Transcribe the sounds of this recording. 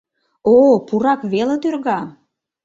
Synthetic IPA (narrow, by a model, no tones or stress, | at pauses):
opuɾɑkβelə̆d̪ørɣɑ